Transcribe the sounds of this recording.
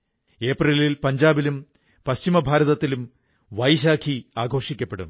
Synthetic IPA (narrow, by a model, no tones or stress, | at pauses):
e̞ːprililpɐɲd͡ʑaːbilum | pɐɕt͡ɕimɐbʱaːɾɐðɐt̪ːilum | ʋɐjɕ̬aːkʰiaːɡʱo̞ːʂikʲːɐpːe̞ɽṵm